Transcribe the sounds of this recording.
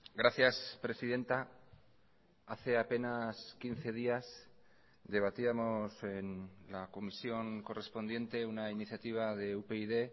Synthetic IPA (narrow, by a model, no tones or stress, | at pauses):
ɡɾaθjaspɾe̞siðe̞nt̪a | aθe̞ape̞naskin̟θe̞ðias | d̪e̞β̞at̪iamo̞se̞nlako̞misjo̞ŋko̞re̞spo̞nd̪jẽ̞nt̪e̞unainiθjat̪iβ̞aðe̞upe̞iðe̞